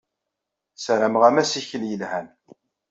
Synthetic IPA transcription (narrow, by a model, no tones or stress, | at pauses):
sɾəmʁæmæsiçəljəlhæn